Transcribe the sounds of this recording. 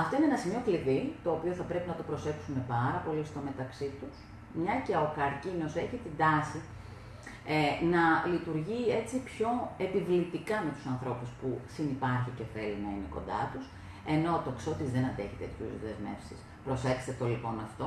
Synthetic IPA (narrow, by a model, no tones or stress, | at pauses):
ɐft̪o̞inenɐsimio̞kliðit̪o̞ːpio̞θɐpɾe̞pinɐt̪o̞pɾo̞se̞ksume̞pɐɾɐpo̞list̪o̞me̞t̪ɐksit̪us | mɲɐceokɐɾcino̞se̞çit̪ind̪ɐsi | nɐlit̪uɾʝie̞t͡sipço̞e̞pivlit̪ikɐme̞t̪u̥sɐnθɾo̞puspusinipɐɾçice̞fe̞linɐineko̞̰nd̪ɐ̰t̪us | e̞no̞t̪o̞kso̞t̪izðe̞nɐnd̪e̞çi̥t̪e̞̰t̪ʰçṵzðe̞zme̞̰fsḭs | pɾo̞se̞kst̪et̪olipo̞nɐft̪o̞